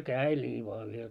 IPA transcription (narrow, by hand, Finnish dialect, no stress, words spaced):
kæːel nʲiː ʋoɑ yhel